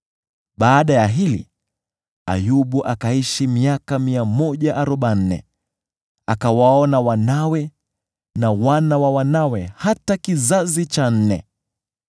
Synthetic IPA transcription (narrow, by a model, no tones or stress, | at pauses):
ɓaːɗajaɦilḭ | a̰juɓuʔakaiʃimiakamiamɔʄaʔaɾɔɓan̩nɛ̰ | akawaɔnawanawɛ | nawanawawanawɛhatakizazit͡ʃan̩nɛ